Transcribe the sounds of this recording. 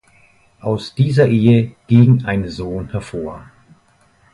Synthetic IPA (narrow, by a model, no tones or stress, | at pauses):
ʔaʊsd̥iːzɐʔeːəɡ̥iŋʔaɪnzoːnhɛɐfoːɐ